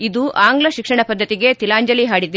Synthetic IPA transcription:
id̪uʔaːŋɡlɐʃikʂɐɳɐpɐd̪ʱːɐt̪iɡe̞t̪ilaːɲd͡ʒɐliɦaːɽid̪

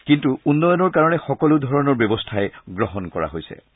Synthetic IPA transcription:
kintuunːɔjɔnɔɹkaɹɔnɛxɔkɔlʊdʱɔɹɔnɔɹbjɔbɔstʰaɛɡɹɔɦɔnkɔɹa̰ɦojsɛ̰

